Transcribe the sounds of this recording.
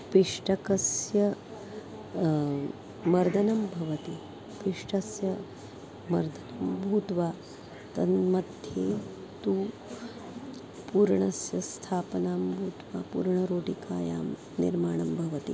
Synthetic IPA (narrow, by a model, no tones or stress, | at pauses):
piʂʈɐkɐsjɐ | mɐɾd̪ʱɐnɐmbʱɐʋɐt̪i | piʂʈʰɐsjɐ | mɐɾd̪ʱɐnɐmbʱuːt̪ʋaː | t̪ɐnmɐd̪ʱjeː | t̪uː | puːɾɳɐsjɐst̪ʰaːpnaːmbʱuːt̪ʋa̰ːpṵːɾɳɐɾoːʈikaːja̰ːm | nḭɾmaːɳ̃ɐmbʱɐʋɐt̪ḭ